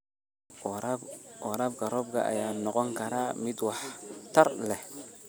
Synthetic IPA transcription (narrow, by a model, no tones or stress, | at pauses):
ɔɾɐb̚ɡɐɾɔːbkʰɐ̰ʔɐ̰jaːnɔqɔŋkʰɐɾaːmɪd̪wɑħt̪ʰɐrlɛh